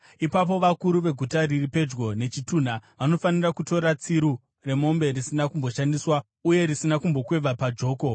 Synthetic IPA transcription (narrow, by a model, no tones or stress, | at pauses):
ipap̬o̞ʋakuɾuʋe̞ɡʱutariripe̞d͡ʒɡo̞ne̞t͡ʃitun̤aʋano̞fanirakuto̞ɾat͡siɾu | re̞mo̞mbe̞risinakumbo̞ʃandiswa | uje̞ɾisinakumbo̞kwe̞ʋʱapad͡ʒo̞ːko̞